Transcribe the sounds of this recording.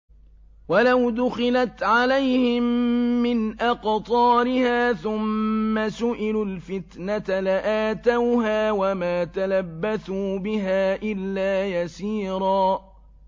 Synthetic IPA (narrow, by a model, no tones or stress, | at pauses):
walawd̪ʊxɪlat̪ʕalajhɪmːɪnʔaqt̪ˤɑːɾɪhaːθʊmːasʊʔɪlʊlfɪt̪nat̪alaʔaːt̪awɦaːwamaːt̪alabːaθuːbɪɦaːʔɪlːaːjasiːɾˤɑː